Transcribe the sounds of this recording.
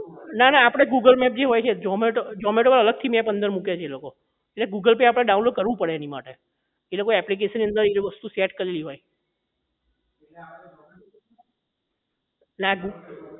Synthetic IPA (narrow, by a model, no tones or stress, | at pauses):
nanaːpəɽ̃eɡuɡəlmɛp̚d͡ʒeɦojt͡ʃʰed͡ʒɔmeʈod͡ʒɔmeʈoʋalələɡ̚t̪ʰimjãpənd̪əɾmukjat͡ʃʰeeloko | eʈleɡuɡəlpeapɽ̃eɖaũnloɖ̚kəɾʋũpəɽeenima̰ʈe | elokoɛplik̬eʃənːiə̃nd̪əɾeliʋəst̪usɛʈkəɾeliɦoj | naɡu